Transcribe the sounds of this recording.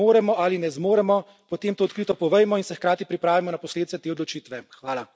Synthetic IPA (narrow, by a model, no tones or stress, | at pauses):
oːɾɛmɔʔalinɛzmoːɾɛmɔ | pɔt̪eːmt̪oːt̪kɾiːt̪ɔpɔʋɛjmɔinsɛxkɾaːt̪ipɾipɾaːʋimɔnapɔsled̪it̪ɛt̪eːɔd̪lɔt͡ʃiːt̪ʋɛxʋaːla